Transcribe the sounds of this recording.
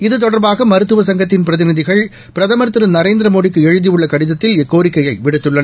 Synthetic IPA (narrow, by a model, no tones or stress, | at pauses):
ɪðɯt̪ɔɽɐɾbaːɣɐmɐɾɯt̪ːɯʋɐsɐŋɡɐt̪ːɪnpɪɾɐðɪnɪðɪɣɐɭ | pɪɾɐðɐmɐɾt̪ːɯɾɯnɐɾeːnd̪ɪɾɐmoːɽɪkːɯɛɻɯðijɯɭːɐkɐɽɪðɐt̪ːɪlɛkːoːɾɪkːɐjɐɪʋɪɽɯt̪ːɯɭːɐnɐ